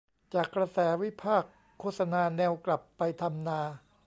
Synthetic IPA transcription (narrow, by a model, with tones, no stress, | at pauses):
t͡ɕaː˨˩kːɾa˧sɛː˩˦wi˦˥pʰaː˥˩kʰːoː˥˩t̪̚sa˧naː˧nɛː˧wkla˨˩pːa˧jt̪ʰa˧mnaː˧